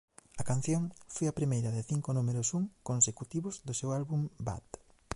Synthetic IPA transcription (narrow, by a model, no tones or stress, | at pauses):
ɐkan̟θjoŋfojɐpɾimejɾɐðɪθiŋkʊnumeɾʊsuŋkonsekut̪iβʊzðʊsewalβumba̰t̪